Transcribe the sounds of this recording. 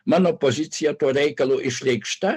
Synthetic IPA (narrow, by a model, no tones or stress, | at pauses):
mɑːnoːpozʲɪt̪sʲɪjɛt̪uɔɾʲɛɪkɐlˠoːʔɪʃʲlʲɛɪkʃt̪ɐ